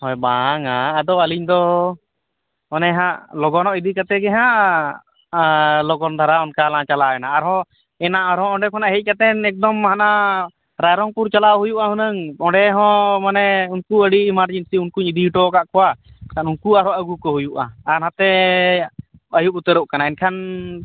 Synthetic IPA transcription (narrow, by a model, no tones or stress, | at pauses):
hɔjbaŋaːd̪ɔəliɲd̪ɔ | mɔnɛɦãʔlɔɡɔnɔʔid̪ikat̪ɛɡɛɦã | lɔɡɔnd̪ʱaɾaɔnkalãt͡ʃalaɛnaːɾɦɔ̃ | ɛnaʔaɾɔ̃ɔ̃ɳɖɛkʰɔnaʔɦɛc̚kat̪ɛnɛk̚d̪ɔmɦana | ɾajɾɔŋpuɾt͡ʃalaɦujuʔaɦunəŋɔɖɛɦɔ̃manɛunkuəɽimaɾd͡ʒinsiunkuɲid̪iʈɔkaʔkʰɔwa | kanunkuaɾɔʔəɡukɔɦujuʔa̰ːɾɦãt̪ɛ | əjup̚ut̪əɾɔʔkanaɛnkʰan